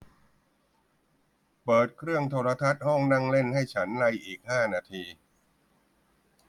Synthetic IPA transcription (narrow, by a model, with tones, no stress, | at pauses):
pɤː˨˩t̪̚kʰɾɯ˥˩əŋt̪ʰoː˧ɾa˧t̪ʰa˦˥t̪̚hɔ˥˩ŋna˥˩ŋle˥˩nha˥˩jt͡ɕʰa˦˥nla˧jʔiː˨˩k̚haː˥˩naː˧t̪ʰiː˧